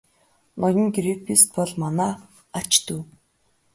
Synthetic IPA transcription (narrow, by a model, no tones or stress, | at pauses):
nɔjɞ̆ŋɡɾipʰist̪̚pɔɮmanaː | at͡ɕt̪uː